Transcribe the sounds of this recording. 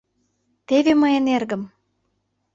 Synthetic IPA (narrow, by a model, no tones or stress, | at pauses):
t̪eveməjenerɡə̆m